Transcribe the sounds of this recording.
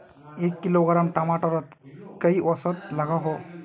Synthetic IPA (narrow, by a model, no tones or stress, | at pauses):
ekːiloɡɾamʈamaʈɔɾat̪kaiʔɔsɔt̪laɡaɦɔ